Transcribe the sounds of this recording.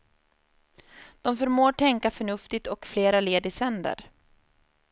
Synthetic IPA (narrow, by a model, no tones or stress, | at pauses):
d̪̥ɔmfœɾmoːʈʰɛŋkafœɳɵft̪ɪt̪ɔkfleːɾaleːd̪ɪsɛnd̪ə̰ɾ